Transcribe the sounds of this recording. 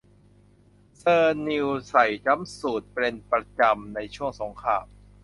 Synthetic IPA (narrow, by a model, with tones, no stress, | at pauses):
sɤː˧ni˧wsa˨˩jt͡ɕa˦˥msuː˨˩t̪̚pɾe˧npɾa˧t͡ɕa˧mna˧jt͡ɕʰu˥˩əŋso˩˦ŋkʰa̰ː˧m